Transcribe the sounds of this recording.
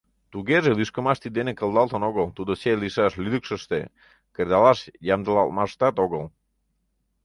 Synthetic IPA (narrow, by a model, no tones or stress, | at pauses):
t̪uɣeʒelyʃkəmɑʃt̪id̪enekəlˠd̪ɑlˠt̪ənoɣəlt̪ud̪ot͡ɕelisɑʃlyd̪ukʃəʃt̪e | keɾd̪ɑlɑʃjɑmd̪əlɑ̰lˠmɑt̪ɑt̪oɣəl